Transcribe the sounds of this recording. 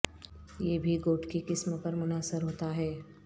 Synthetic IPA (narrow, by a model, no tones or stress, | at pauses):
jeːbʱiɡoːʈkekɪsmpɐɾmʊnaːsəɾɦoːt̪aɦɛː